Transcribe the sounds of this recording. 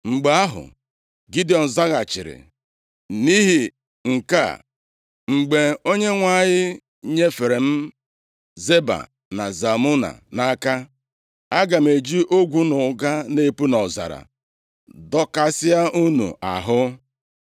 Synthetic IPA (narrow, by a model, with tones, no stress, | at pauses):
ŋ͡m̩˨ɡ͡ba˦ɦʊ̰˨ | ɡi˦di˨ɔ˨n̩˨za˦ɣa˨t͡ʃɪ˨ɾɪ̰˨ | ni˦ɦi˨ | ŋ̩˨ka̰˦˨ | ŋ͡m̩˨ɡ͡be˨o˦ɲe˦ŋʷa˦˨ɲɪ˦ | ɲe˦fe˨ɾe˨m̩˦ | ze˦ba̰˨ | na̰˨za˨mu˦na̰˨na˦ka˦ | a˦ɡa˨m̩˨e˨d͡ʒi˦ʔo˦ɡʷu˦nʊ˨ɡa˦ne˦pu˦nɔ˨za̰˨ɾa̰˨ | dɔ˦ka˦sɪ˦a˦ʔu˦nṵ˨ʔa̰˨ɦʊ˦